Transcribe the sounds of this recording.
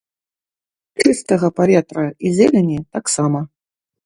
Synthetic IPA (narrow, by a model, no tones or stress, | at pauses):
t͡ʂɨst̪ɐɣɐpavʲɛt̪ɾɐizʲɛlʲɛnʲit̪aksamɐ